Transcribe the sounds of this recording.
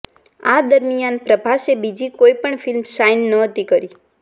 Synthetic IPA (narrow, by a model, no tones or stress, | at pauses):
ad̪əɾmijanpɾəbʱaʃebid͡ʒikoipəɳfilmʃajnːəɦət̪ikəɾi